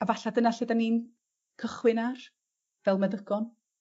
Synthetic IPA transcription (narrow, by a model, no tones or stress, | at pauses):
avaɬadənaɬɪdanin | kʰəχwɪnar | vɛlˠmaðəɡɔn